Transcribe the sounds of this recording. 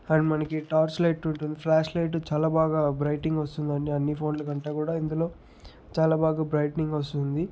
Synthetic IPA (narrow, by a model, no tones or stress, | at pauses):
ɐɳɖmɐnɐkiʈaːɾslɐjʈːuɳʈund̪ipʰlaːʂlɐjʈ̬ut͡ʃaːlaːbaːɡaːbɾɐjʈiŋɡɐst̪und̪ɐnːiɐnːipʰo̞ːnlɐkɐɳʈaːkuːɽaːind̪ulo̞ː | t͡ʃaːlaːbaːɡaːbɾɐjʈniŋɡʋɐst̪und̪i